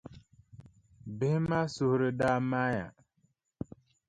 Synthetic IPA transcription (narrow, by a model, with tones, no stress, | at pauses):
be˦hma˦su˨hɾi˨da˦˨ma˦ja̰˨